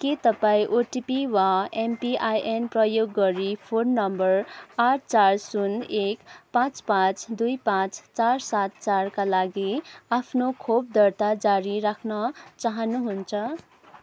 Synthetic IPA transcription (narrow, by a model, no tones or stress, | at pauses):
ket̪ʌpaĩʔoʈipiwaempiʔajʔenprʌjoɡːʌɾipʰonːʌmbʌraʈʰt͡sarsunekpãt͡spãt͡sd̪ujpãt͡st͡sarsat̪t͡sarkalaɡiapʰnokʰob̚d̪ʌrt̪ad͡zaɾiɾakʰnʌt͡saɦʌnuɦunt͡sʰʌ